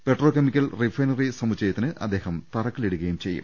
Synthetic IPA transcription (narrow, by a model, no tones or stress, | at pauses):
pe̞ʈroːkemikʲːɐlrifrɐjnɐrisɐmut͡ɕːɐjɐt̪ːinɨʔɐ̰d̪ːe̞ːhɐmt̪ɐrɐkːɐliɽuɣɐjumt͡ɕe̞jːṵm